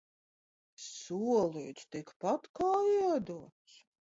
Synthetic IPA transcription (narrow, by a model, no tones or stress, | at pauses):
ssuɔlˠiːt̪st̪ikpat̪kaːiɛd̪uɔt̪s